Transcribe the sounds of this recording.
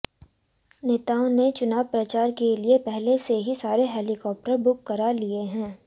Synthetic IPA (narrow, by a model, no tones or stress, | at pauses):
neːt̪aːõnet͡ʃʊnaːʋpɾɐt͡ʃaːɾkeliepɛɦleseɦisaːɾeɦɛːlɪkɔːp̚ʈəɾbʊkːɐɾalieɦɛ̃ː